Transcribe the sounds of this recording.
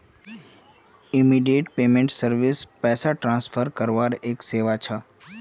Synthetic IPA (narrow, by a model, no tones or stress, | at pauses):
ɪmiːɖijeʈpeːmẽɳʈsəɾʋɪspɛːsaʈɾãːnspʰəɾkəɾʋaːɾeːkseːʋat͡ʃʰa